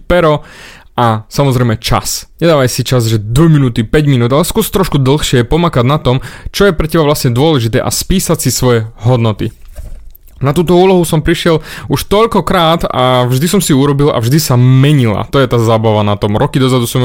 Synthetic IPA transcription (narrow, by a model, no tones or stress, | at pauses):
pɛɾɔ | ʔasamɔzɾɛɪjmɛt͡ʃa̰sɲɛd̪aːʋajsit͡ʃazʒɛd̪ʋɔminuːt̪ipɛɟminuːd̪alɛskʊuɔst̪ɾɔʃkud̪l̩ˠxʃɪɛpɔmakaɟnat̪ɔmt͡ʃɔjɛpɾɛcɛbaʋlasɲɛd̪ʊɔlɛʒit̪ɛ̰ːʔa̰spiːsacsisʋɔjɛɦɔd̪nɔt̪ḭ | nat̪uːt̪ɔuːlɔɦusɔmpɾiʃɪɛluʃt̪ɔʎkɔkɾaːt̪a̰vʒd̪isɔmsiuɾɔbilʔa̰vʒd̪isamɛɲila̰t̪ɔjɛt̪aːzaːbaʋanat̪ɔmɾɔkid̪ɔzad̪usɔm